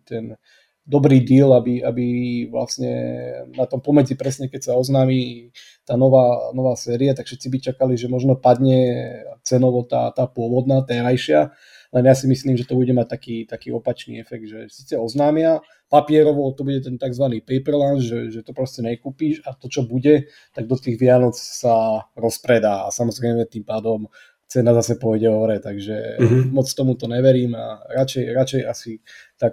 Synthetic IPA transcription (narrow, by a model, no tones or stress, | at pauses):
t̪ɛn | d̪ɔbɾiːd̪iːlabia̰biʋla̰sɲɛ̰nat̪ɔmpɔmɛd͡zipɾɛsɲɛkɛcsaɔznaːmi | t̪aːnɔʋaːnɔʋaːsɛːɾiat̪akfʃɛt̪t͡sibit͡ʃakaliʒɛmɔʒnɔpad̪ɲɛt͡sɛnɔʋɔt̪a̰ːt̪aːpʊɔʋɔd̪nat̪ɛːɾajʃɪa | lɛnjasimisliːmʒɛt̪ɔbuɟɛmac̚t̪akiːt̪akiːɔpat͡ʃnḭːɛfɛɡ̚d̪ʒɛsiːt͡sɛɔznaːmɪa | papɪɛɾɔʋɔt̪ɔbuɟɛt̪ɛnt̪aɡzʋaniːpɛjpɛɾlanzʒɛʒɛt̪ɔpɾɔscɛɲɛkuːpiʃat̪ɔt͡ʃɔbuɟɛ | t̪aɡ̚d̪ɔt̪iːɣʋɪanɔt͡ssaɾɔspɾɛd̪aːa̰samɔzɾɛɪmɛt̪impaːd̪ɔm | t͡sɛnazasɛpɔjɟɛɔʋɾɛt̪aɡʒɛmɔt͡skt̪ɔmut̪ɔɲɛʋɛɾiːma̰ɾat͡ʃɛjɾat͡ʃɛjasit̪ak